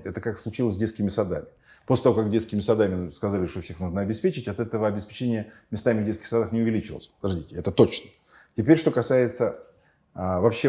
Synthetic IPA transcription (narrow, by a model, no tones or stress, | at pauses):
tʲɛt̪əkakslˠʊt͡ɕilˠəsʲdʲet̪skʲɪmʲɪsɐd̪a̰mʲɪ | poslʲɪt̪ɐvokak̚ɡdʲeskʲɪmʲɪsɐd̪amʲɪskɐzalʲɪʂt̪ofsʲexnuʐnəɐbʲɪspʲet͡ɕɪtʲɐt̪ɛt̪əvəɐbʲɪspʲɪ̥t͡ɕenʲɪjəmʲɪst̪amʲɪvdʲet̪skʲɪxsɐd̪axnʲɪʊvʲɪlʲit͡ɕɪvlˠəsʲpəd̪ɐʐdʲitʲɪɛt̪ət̪o̞t͡ɕnə | tʲɪpʲeɾʲʂt̪okɐsajɪt̪sə | əvɐpɕːe